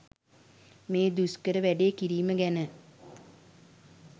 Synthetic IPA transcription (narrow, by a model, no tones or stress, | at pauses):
meːd̪uskəɾəʋæɖeːkiɾiːməɡænə